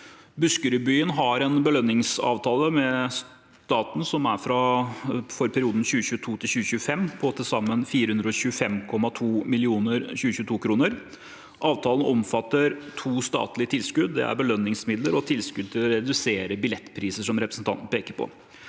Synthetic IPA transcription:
bʉskəɾʉbyːənɦɑɾɛnbəlœnːɪŋsɑ̰ːʋt̪ʰɑːləmɛs | t̪ɑːt̪n̩sɔmæɾfɾɑ | fɔɾpʰæɾɪuːd̪n̩ɕʉːɕʉːət̪ʰuːt̪ʰɪlɕʉːɕʉːəfɛmpʰɔt̪ʰɪlsɑmːənfiːɾəhʉnd̪ɾəɔɕʉːəfɛmkʰɔmːɑt̪ʰuːmɪlɪuːnəɾçʉːəɕʉːt̪uːkʰɾuːnəɾ | ʔɑːʋt̪ʰɑːlən̩ɔmfɑt̪ːəɾt̪ʰuːst̪ɑ̰ːt̪lɪət̪ʰɪlskʉd̪̚d̪ɛ̰æ̰ɾbəlœnːɪŋsmɪd̪ləɾɔt̪ʰɪlskʉd̪̚t̪ʰɪlɔɾɛd̪ʉseːɾəbɪlɛt̪ːpʰɾiːsəʂɔmɾɛpɾəsn̩t̪ɑnt̪n̩əpʰeːkəɾpʰɔ̰

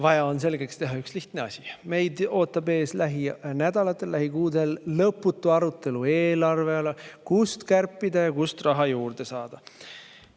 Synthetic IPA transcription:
vɑjɑo̞ns̬e̞lɡekst̪e̞ɦɑyksliht̪neɑsʲime̞jd̪o̞ːt̪ːˑɑbe̞ːslæɦinæd̪̥ɑlɑt̪ːˑe̞lːæɦikuːd̪e̞lːɤpːˑut̪ːˑuɑɾut̪ːˑe̞lue̞ːlɑrve̞ɑlekust̪kærpːˑid̪̥ɑjɑkust̪rɑɦɑjuːrd̪̥e̞sɑːd̪̥ɑ

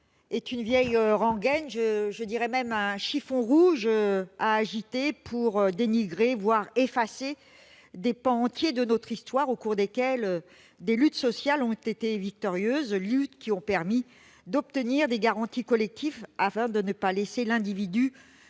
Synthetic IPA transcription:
ɛt̪ynvjɛjøʁɑ̃ɡɛnʒəʒəd̪iʁɛmɛmɛ̃ʃifɔ̃ʁuʒøaːʒit̪epʰuʁød̪eniɡʁevwaʁefase | d̪epɑ̃ːt̪jed̪ənɔt̪χist̪waʁokuʁd̪ekʲɛl | d̪elyt̪sɔsjalɔ̃t̪et̪evik̚t̪ɔʁjøzlyt̪kʲiɔ̃pɛʁmi | d̪ɔp̚t̪əniʁd̪eɡaʁɑ̃t̪ikɔlɛk̚t̪ʰifafɛ̃d̪ənəpalɛselɛ̃d̪ivid̪y

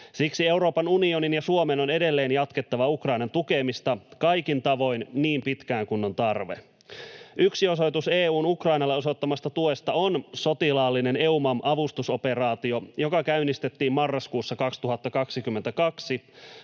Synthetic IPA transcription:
siksie̞wɾo̞ːpɑnunio̞ninjɑsuomenone̞de̞lːe̞ːnjɑt̪ket̪ːɑʋɑukrɑinɑnt̪uke̞mist̪ɑkɑjkint̪ɑʋo̞inniːmpit̪kæːŋkunːo̞nt̪ɑrʋḛ | ʔyksio̞so̞jt̪useːuːnukrɑinɑlːeo̞sot̪ːɑmɑst̪ɑt̪uest̪ɑonso̞t̪ilɑːlːine̞ne̞umɑmʔɑʋust̪uso̞pe̞rɑːt̪io̞jo̞kɑkæynist̪et̪ːiːmmɑrːɑskuːsːɑkɑkst̪uɦɑt̪ːɑkɑksikymːent̪ækɑksi

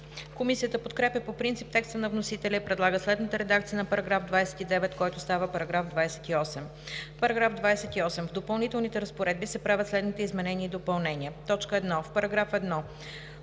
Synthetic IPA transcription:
komisiət̪əpot̪kɾɛpjəpopɾint̪sip̚t̪ɛkst̪ənɐvnosit̪ɛlʲəipɾɛd̪lˠaɡəslɛd̪nət̪əɾɛd̪ak̚t̪sijənɐpɐɾɐɡɾafd̪vajsɛ̥t̪id̪ɛvɛt̪kɔjt̪ʊst̪avəpɐɾɐɡɾafd̪vajsɛ̥t̪iɔsɛm | pɐɾɐɡɾavd̪vajsɛt̪iɔsɛmvd̪opəlˠnit̪ɛlˠnit̪ɛɾəspoɾɛd̪bisɛpɾavʲət̪slɛd̪nit̪ɛizmɛnɛniəid̪opɐlˠnɛniət̪ɔt͡ʃkəɛd̪nɔfpɐɾɐɡɾafɛd̪nɔ

